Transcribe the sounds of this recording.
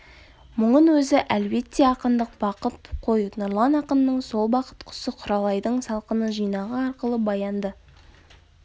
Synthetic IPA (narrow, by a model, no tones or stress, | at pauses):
mʊɴənwɵzɪʔælbe̞t̪ːe̞ɑqənd̪əq̚bɑqət̪qʰo̞jnʊɾlˠɑnɑqənːəɴso̞lˠbɑqə̥t̪qʰʊ̥səqʰʊɾɑlˠɑjd̪əɴsɑlˠqənəʒijnɑʁəɑɾqəlˠəbɑjɑnd̪ə